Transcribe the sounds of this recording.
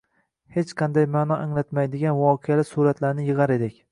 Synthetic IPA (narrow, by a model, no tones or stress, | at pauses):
he̞t͡ʃqʰɑnd̪ajmaːnɒʔaŋlat̪majd̪ɪɡʲanvɒːqʰejalɪsuɾat̪laɾnɪjɨʁɑɾe̞d̪ɪkʲ